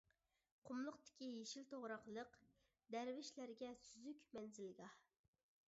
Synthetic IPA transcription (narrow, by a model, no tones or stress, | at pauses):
qʰʊmlˠʊqt̪ɪ̥kʲijeʃilt̪ʰoʁɾɑqlˠəq | d̪æɾvɪʃlæɾɡʲɛsyzykʲmɛnzɪlɡʲɑ